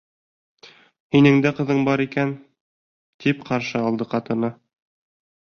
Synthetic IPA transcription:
hinɘ̆ŋd̪æqɤ̆ðɤɴbɑɾikæn | t̪ipqɑɾʃɤɑlˠd̪ɤqɑt̪ɤ̆nɤ

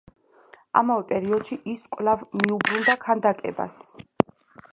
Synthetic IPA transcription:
a̰mavɛpʼɛɾiɔd̪̥ʃiʔiskʼvlavmiubɾund̪akʰand̪akʼɛ̰ba̰s

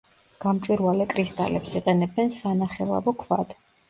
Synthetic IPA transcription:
ɡ̥amt͡ʃʼwiɾvalɛkʼɾist̪ʼa̰lɛpsiqʼɛnɛbɛnsanaχɛlˠa̰vɔkʰva̰d̪̥

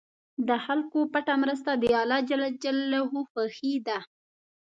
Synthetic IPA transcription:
d̪əxalkopaʈamɾəs̬t̪ad̪əjɑlɑd͡ʒalad͡ʒalːaɦuxəxid̪a

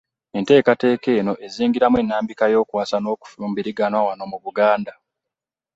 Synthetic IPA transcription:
e̞nte̞ːkate̞ːke̞ːno̞ʔe̞ziːŋɡiɾamwe̞nːaːmbikajo̞ːkwaːsano̞ːku̥fuːmbiɾiɡanwawano̞muβuɡaːnda

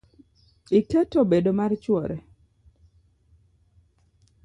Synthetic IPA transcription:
ikɛtobedomart͡ʃwɔɾɛ

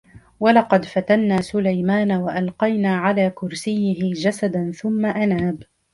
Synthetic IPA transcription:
walɑqɑd̪fat̪anːaːsʊlajmaːnawaʔalqɑjnaːʕalaːkʊɾsɪjːɪɦɪd͡ʒasad̪anθʊmːaʔanaːb

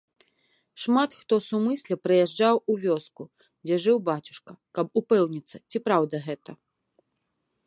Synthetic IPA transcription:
ʂmat̪xt̪ɔsumɨsʲlʲɐpɾɨjɛʐd͡ʐawuvʲɔsku | d͡zʲɛʐɨwbat͡sʲu̥ʂkɐkɐbupɛwnʲit̪sːɐt͡sʲipɾawd̪ɐɣɛt̪ɐ

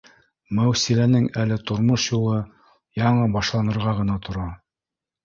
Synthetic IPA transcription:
mæwsilænɘŋælɘt̪ŏɾmoʃjulˠɤ | jɑɴɤbɑʃlˠɑnɤ̆ɾʁɑʁɤ̆nɑt̪ʰŏɾɑ

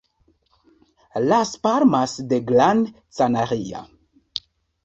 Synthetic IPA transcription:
laspaɾmasdeɡlan | t͡sanaɾia̰

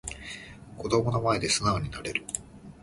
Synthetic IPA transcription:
ko̞d̪o̞mo̞nomaed̪e̞sɨnaoɲ̟inaɾe̞ɾɯ̟

